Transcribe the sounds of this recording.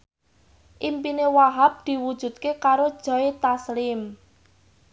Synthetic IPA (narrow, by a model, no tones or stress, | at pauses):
ʔimpinewaɦap̚d̪̥i̤wud̥ʒ̥ṳt̪̚kekaɾod̥ʒ̥ɔ̤it̪aslɪm